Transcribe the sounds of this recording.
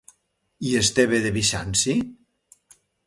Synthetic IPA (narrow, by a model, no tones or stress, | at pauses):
iest̪eβeðeβiʃansi